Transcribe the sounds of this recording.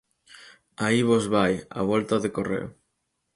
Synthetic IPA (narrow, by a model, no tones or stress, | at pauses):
aiβozβaja̰β̞ɔlt̪aðekorḛo̰